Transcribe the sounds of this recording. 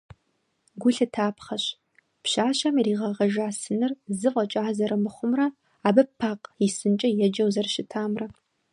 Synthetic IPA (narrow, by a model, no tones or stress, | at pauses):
ɡʷʊɬɨtʰaːpχɐɕ | pɕaːɕɐmiriːʁɐʁɐʒaːsɨnɨrzɨqʷʼɔt͡ʃʼaːzɐɾɐmɨχʷʊmrɐ | aːbɐpʰːaːqjisɨnt͡ʃʼɐjɛd͡ʒɐwzɐrʃɪtʰaːmrɐ